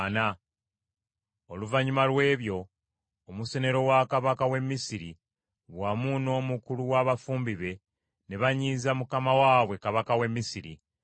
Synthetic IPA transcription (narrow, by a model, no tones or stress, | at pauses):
na | oluvaɲumalwe̞ːβjo̞ː | musene̞ɾo̞wakaβakawe̞mːisiɾi | βwamuno̞ːmukuluwaβafuːmbiβe̞ | ne̞βaɲiːzamukamawaβwe̞kaβakawe̞mːisiɾḭ